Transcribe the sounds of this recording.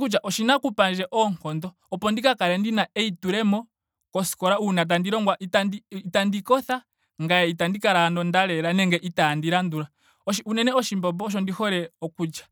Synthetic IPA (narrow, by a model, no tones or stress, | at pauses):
kud͡ʒaʔɔʃinakupand͡ʒɛʔɔŋkɔndɔ | ɔpɔndikakaɾɛndinaɛituɾɛmɔ | kɔsi̥kɔɾaunat̬andiɾɔŋɡwaʔitandiːtandikɔθa | ŋɡaɛitandikaɾaːndɔndaɾɛɾanɛŋɡɛʔitaːndiɾanduɾa | ɔʃiunɛnɛɔʃimbɔp̬ɔʃ̬ɔndihɔɾɛɔkut͡ʃḁ